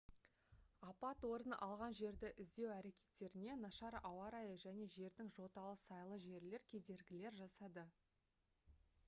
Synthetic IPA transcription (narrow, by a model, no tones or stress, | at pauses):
ɑpɑt̪wo̞ɾənəʔɑlˠʁɑnʒe̞ɾd̪ɪʔɪzd̪e̞wæɾe̞kʲe̞̥t̪ːe̞ɾɪne̞nɑʃɑɾɑwɑɾɑjəʒæne̞ʒe̞ɾd̪ɪŋʒo̞t̪ɑlˠəsɑjlˠəʒe̞ɾle̞ɾkʲʰe̞d̪e̞ɾɡʲɪle̞ɾʒɑsɑd̪ə